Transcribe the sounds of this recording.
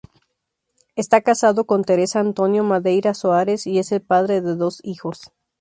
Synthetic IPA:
e̞st̪akasaðo̞ko̞nt̪e̞ɾe̞saːnt̪o̞njo̞maðe̞jɾasoaɾe̞sie̞se̞lpaðɾe̞ðe̞ðo̞sixo̞s

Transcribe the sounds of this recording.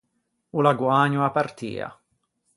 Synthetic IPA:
ulaɡwaːɲuapart̪ḭːa̰

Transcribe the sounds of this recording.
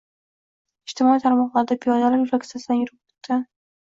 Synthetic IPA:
ɪʃt̪ɪmɒit̪ʰaɾmɒqlˠaɾɪd̪apʰijɒd̪alaɾjɾakʲsasd̪anjʊɾɪp̚o̥t̪ʰːa

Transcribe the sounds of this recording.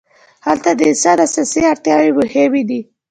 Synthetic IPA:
halt̪ad̪əɪsɑd̪asɑseaɾt̪jɑwebəhewid̪i

